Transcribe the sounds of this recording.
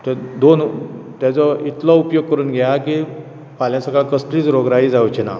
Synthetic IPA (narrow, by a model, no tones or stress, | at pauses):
t̪əd̪ont̪jat͡sɔit̪lɔupjoɡ̚kəɾuːnɡʱjaki | pʰaljãsəɡaɭkəsʈ̪ɾiːt͡sɾoɡɾaɦiːd͡zaʋt͡ɕina̰